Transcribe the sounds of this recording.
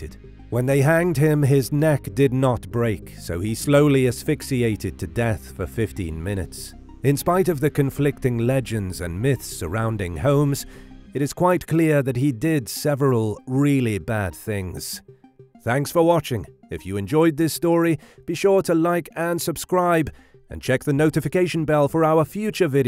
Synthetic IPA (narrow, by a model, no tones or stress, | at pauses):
ɨ̰d̥̚ | wə̃nðeɪɦæ̃ŋd̚ɪ̃mɪznɛkd̥ɨdⁿnət̚b̥ɹeɪksoʊisloʊlˠiɨz̥fɪksieɪɾɨd̚tʰɨdɛθfə˞fɪftḭ̃nmɪ̃ñɨ̰ts | ɨ̃nspaɪɾʌvðɨkʰɨ̃ɱflɪk̚tɪ̃ŋlɛd͡ʒɨ̃ndzɨ̰̃nmɪθssə˞ãʊ̃ndɪ̃ŋhõʊ̃mz̥ɨɾɨz̥kʰw̥aɪt̚kʰl̥ɪɹðɨt̚ɦidɪdsɛvɹəl̩ˠɹɪlˠibæd̪̚θɪ̃ŋz̥θæ̃ŋksfə˞wɑt͡ʃɪ̃ŋɨfjɨɨ̃nd͡ʒɔɪd̪̚ðɪstɔɹib̥iʃʊɹɾəlaɪkɨ̃nsɨb̥skɹaɪb | ɨ̰̃nt͡ʃʰɛk̚ðɨnoʊɾɨfɨkeɪʃn̩bɛlˠfə˞aʊə˞fjʉt͡ʃə˞vɪɾi